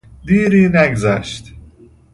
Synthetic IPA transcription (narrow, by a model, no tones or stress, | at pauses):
d̪iːɾiːnæɡzæʃt̪